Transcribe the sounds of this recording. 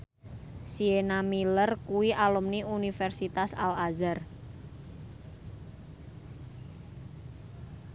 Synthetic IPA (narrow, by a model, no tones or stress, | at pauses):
sienamilərkuwiʔalumniunifɛrsit̪asalazər